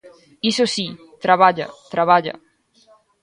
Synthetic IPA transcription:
isosi | t̪ɾaβaʎa̰t̪ɾaβaʎa̰

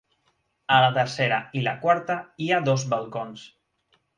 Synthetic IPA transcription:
əlat̪əɾseɾailakwaɾt̪aiaðozbalˠkons

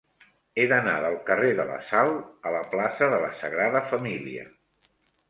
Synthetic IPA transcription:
eðəna̰ðəlˠkəreðələ̰salələplasəðələsəɣɾaðəfəmilḭə̰

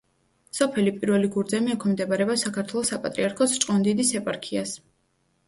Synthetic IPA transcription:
sɔpʰɛlipʼiɾvɛliɡuɾd̪zɛmiakʰɛmd̪ɛbaɾɛbasakʰaɾt̪ʰwɛlˠɔsapʼat̪ʼɾiaɾkʰɔst͡ʃʼɔnd̪id̪isɛpʼaɾkʰias

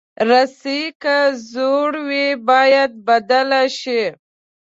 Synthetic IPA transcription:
ɾasikazoɽwibɑjad̪̚bad̪alaʃi

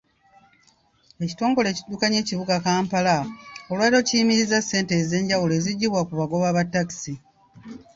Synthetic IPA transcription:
eci̥to̞ːŋɡo̞le̞ci̥dukaɲe̞ːciβuɡakaːmpalao̞lwaːiɾo̞cijimiɾizasːe̞ːnteze̞ːɲɟawuloe̞ːziɟːiβwakuβaɡo̞βaːβatːaki̥si

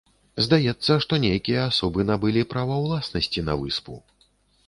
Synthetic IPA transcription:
zd̪ajɛt̪sːɐʂt̪ɔnʲejkʲijɐːsɔbɨnɐbɨlʲipɾavɐwlˠasnɐsʲt͡sʲinɐ̰vɨspṵ

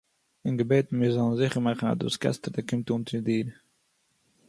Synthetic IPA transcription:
ɪnɡəbeːtmiəzɔlˠnzɪχəɾmaχn̩a̰do̰skɛ̰stəɾt̪əkɪmtuntidiːɾ

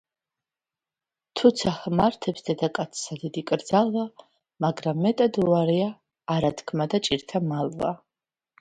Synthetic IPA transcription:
t̪ʰut̪sʰaχmaɾt̪ʰɛpsd̪ɛd̪akʼat̪sʰsad̪id̪ikʼɾd̪zalˠva | maɡɾamːɛt̪ʼad̪uaɾiaː | ɾat̪ʰkʰmad̪at͡ʃʼiɾt̪ʰamalva̰

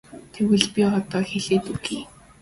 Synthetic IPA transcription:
t̪ʰewɘ̆ɮpʲiɔt̪ɔːxeɮeːt̪ukiː

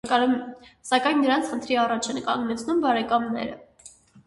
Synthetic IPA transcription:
kɑmsɑkɑjnːəɾɑnt͡sʰχənt̪ʰɾiɑrɑt͡ʃʰɛnkɑ̰ŋɡnɛt͡sʰnumbɑɾɛkɑmnɛ̰ɾə̰

